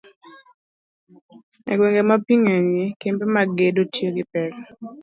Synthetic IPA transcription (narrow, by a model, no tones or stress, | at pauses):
ɛ̰ɡweŋɡemapiŋaɲekempemaɡedotjoɡɪpɛsḁ